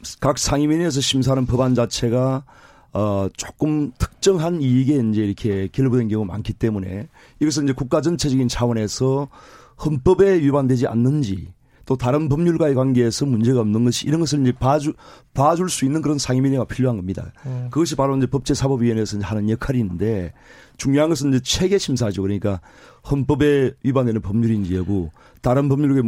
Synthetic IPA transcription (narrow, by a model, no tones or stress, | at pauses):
kak̚sʰaŋiminies̬ʰʌɕʰims̬ʰanɯnpʌband͡ʑat͡ɕʰe̞ɡaː | t͡ɕ͈ok͈ɯmtʰɯ̥k̚t͡ɕ͈ʌŋɦaniiɡe̞ind͡ʑe̞iɾʌkʰe̞kjʌɭbudwe̞nkjʌŋuma̰nkʰit͈e̞mune̞̰ | iɡʌs̬ʰɯnind͡ʑe̞kuk̚k͈ad͡ʑʌnt͡ɕʰe̞d͡ʑʌɡint͡ɕʰawʌne̞sʰʌ | hɯnp͈ʌbe̞jubandwe̞d͡ʑia̰nːɯnd͡ʑḭ | t͈otaɾɯnpʌmɲuɭɡaekwanɡe̞ːsʰʌmund͡ʑe̞ɣaomnɯnɡʌɕʰiḭɾʌnɡʌs̬ʰɯɭind͡ʑe̞papad͡ʑuɭs͈uinːɯnkɯɾʌnsʰaŋimineɡapʰiʎjoɦanɡʌmɲida̰kɯɡʌɕ̬ʰipaɾoiɲd͡ʑe̞pʌp̚t͡ɕ͈e̞sʰabʌbienesʰʌid͡ʑehanɯnjekʰaɾinɯnde̞ | t͡ɕuŋɲjoɦanɡʌs̬ʰɯniɲd͡ʑe̞t͡ɕʰwe̞ɡe̞ɕʰimsʰaɦad͡ʑiokɯɾʌɲik͈a | hʌnp͈ʌbe̞ɥibandwe̞nɯnpʌmɲuɾind͡ʑieɡo | taɾɯnpʌmɲuɭɡa